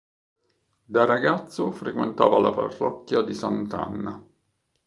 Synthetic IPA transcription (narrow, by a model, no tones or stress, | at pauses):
d̪araɡat̪sːʊfɾekwent̪a̰ːvalapa̰rːɔkːjad̪isant̪a̰nːa